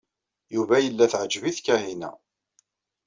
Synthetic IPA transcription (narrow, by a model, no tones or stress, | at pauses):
juvæjəlːæθʕəd͡ʒviθkːæhinæ̰